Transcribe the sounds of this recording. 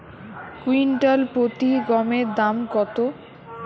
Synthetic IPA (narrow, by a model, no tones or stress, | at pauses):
kwinʈalpɾot̪iɡɔmeɾd̪amkɔt̪o